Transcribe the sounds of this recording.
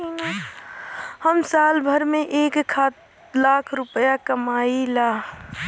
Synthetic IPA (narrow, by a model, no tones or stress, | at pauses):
n | həmsaːlbʱəɾmeʔekkʰːat̪ | lakʰɾʊpjakəmailaː